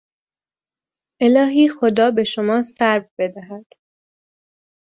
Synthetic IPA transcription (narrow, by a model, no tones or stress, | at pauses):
ʔe̞lɒːɦiːxo̞d̪ɒːbe̞ʃo̞mɒːsæɾvbe̞d̪æɦæd̪̥